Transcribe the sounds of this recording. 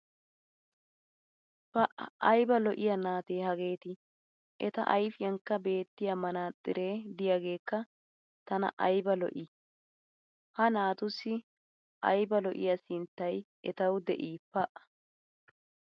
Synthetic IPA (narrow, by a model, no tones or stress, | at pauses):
pɐʔɐ̰ɐjbɐlɔʔɪjɐnaːt̪eːhɐɡe̞ːt̪ɪ | ʔɛt̪ɐ̰ʔɐjfɪjɐŋkːɐbe̞ːt̪ːɪjɐmɐnaːt̪ʼːɪɾeːd̪ɪjaɡe̞ːkːɐ | t̪ɐnɐ̰ʔɐjbɐlɔ̰ʔɪ | hɐnaːt̪ʊsːɪ | ʔɐ̰jbɐlɔʔɪ̰jɐsɪnt̪ːɐj | ɛt̪ɐwd̪ɛʔiːpɐʔɐ̥